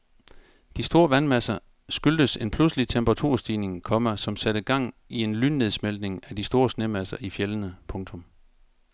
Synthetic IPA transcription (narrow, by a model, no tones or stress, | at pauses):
d̥isd̥o̝ːɐʋænmæsɐ | sɡ̥yld̥əse̝npʰlusəlit͡sʰemb̥ʁɑt͡sʰṵɐ̰sd̥iːne̝ŋkʰɒ̽mæsɒ̽msæɾ̥əɡ̥ɑ̈ŋ̰ie̝nlyne̝ð̞ˠsmeld̥ne̝ŋæd̥isd̥o̝ːɐsne̝mæsɐʔifjelənəpʰɔ̽ŋt͡sʰɔ̽m